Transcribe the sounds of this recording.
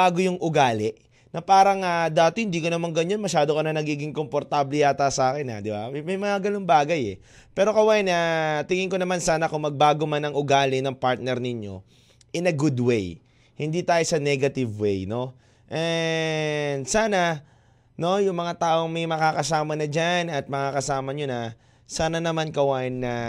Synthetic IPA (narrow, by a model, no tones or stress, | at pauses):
aːɡo̞jʊŋʔʊɡaːlɪʔ | nɐpaːɾɐŋad̪aːt̪ɪhɪnd̪iːkonɐmaŋɡɐɲːonmɐʃaːd̪okɐnɐnɐɡiːɡɪŋkompoɾt̪ablɛjaːt̪asaːkɛnɐ̰d̪ɪba̰mɐjmɐŋaɡɐloŋbaːɡɐjɛ | pɛːɾo̞kɐwajɐnɐt̪ɪŋɪŋko̞nɐmansaːnɐkʊŋmɐɡ̚baːɡomanɐŋʊɡaːlɪnɐŋpaɾt̪̚nɛɾnɪɲjo̞̰ | ʔɪnɐɡud̪wej | hɪnd̪iːt̪aːjosɐnɛɡɐt̪ɪvwejno̞ | ʔɛ | nd̪saːnɐ | no̞jʊŋmɐŋat̪aːʔo̞ŋmɐjmɐkakɐsaːmɐnɐd͡ʒanɐt̪̚mɐkakɐsaːmɐɲonɐ | saːnɐnɐmankɐwaːjɪnːɐ